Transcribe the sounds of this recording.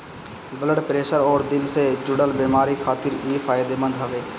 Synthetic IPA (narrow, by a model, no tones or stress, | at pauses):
bələɖpɾeːʃəɾɔːɾd̪ɪlseːd͡ʒʊɽəlbeːmaːɾiːkʰaːt̪ɪɾiːfʰaːjɪd̪eːmə̃nd̪ɦəʋeː